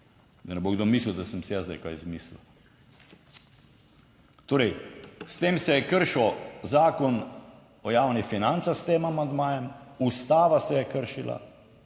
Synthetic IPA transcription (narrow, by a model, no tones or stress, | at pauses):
d̪ɐnɛboɡd̪omiːsliwd̪asəmsijazd̪a̰jka̰jzmiːslḭw | t̪oːɾɛjst̪eːmsɛjɛkəɾʃozaːkɔn | ɔjaːwnifinant̪sast̪eːmamand̪maːjɛmust̪aːʋasɛjɛkəɾʃila̰